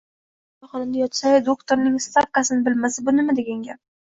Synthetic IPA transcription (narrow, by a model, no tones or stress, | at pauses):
aχɒnamd̪ajɒt̪sajd̪okt̪ʰoɾnɪŋst̪ap̚kasɪnɪbɪlmasɪbʊnɪmad̪eɡʲaŋɡʲa